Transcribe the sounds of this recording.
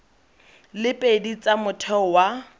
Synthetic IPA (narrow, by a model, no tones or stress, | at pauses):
lɪpʼedit͡sʼamʊtʰɛwa